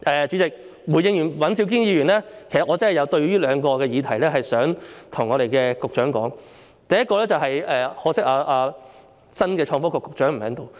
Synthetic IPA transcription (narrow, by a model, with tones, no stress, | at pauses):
ʔɛː˨t͡ʃy˨˧˥t͡sɪ˨k̚ | wuː˨˩jɪ˧ŋjyː˨˩nwɐ˨˥nsʰi˧wk̬iː˥ŋjiː˧ɥyː˨˩nlɛː˥kʰe˨˩jsɐ˨t̚ŋɔː˨˧t͡sɐ˥nhjɐ˨˧wt̪ɵ˧ɥɥyː˥lœː˨˧ŋkɔː˧kɛː˧jiː˨˧t̪ʰɐ˨˩jlɛː˥ɦɐ˨jsœː˨˥ŋt̪ʰʊ˨˩ŋːɔː˨˧ɾe˨jkɛː˧kʊ˨k̚t͡ʃœː˨˥ŋkɔ̰ː˨˥ŋ | t̪ɐ˨jɐ˥t̚kɔː˧lɛː˥t͡sɐ˨wɦɐ˨jɛː˨hɔː˨˥sɪ˥k̚aː˧aː˧ | sɐ˥nkɛː˧t͡ʃʰɔː˧ŋfɔː˥kɔ˧kːʊ˨k̚t͡ʃœː˨˥ŋm̩˨˩hɛː˨˥ŋt̪o˨˧w